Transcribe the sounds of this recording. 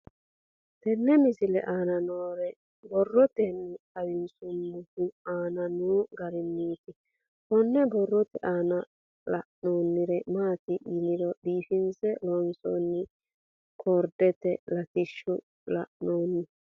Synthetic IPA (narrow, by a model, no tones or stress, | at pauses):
t̪ɛnːɛmɪsɪlɛ̰ʔaːnɐnoːɾɛ | bɔrːɔt̪ɛnːʊɐwɪnsʊmːʊhuaːnɐnuːɡɐɾɪnːiːt̪ɪ | kɔnːɛbɔrːɔt̪ɛʔaːnɐ | lɐ̰ʔnoːnːɪɾɛmaːt̪ɪʔɪlɪd̪ɔɗiːfɪnsɛlɔnsɔ̰nːɪ | kʰoɾd̪ɛt̪ɛlɐt̪ɪʃːʊ | lɐ̰ʔnoːnːɪ